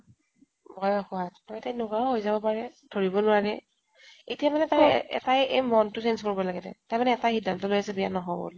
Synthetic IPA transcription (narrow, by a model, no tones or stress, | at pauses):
bɔjaxʊattɔjtajnʊɡaɔɦojzabɔpaɹɛd̥ʱoɹibɔnʊwaɹɛ | etijamanɛtaj̰ɛ̰tajemɔntʊsenskoɹibɔlaɡɛtɛ̰tajmanɛɛtaxidːantɔlojasɛbijanɔɦɔbo̰l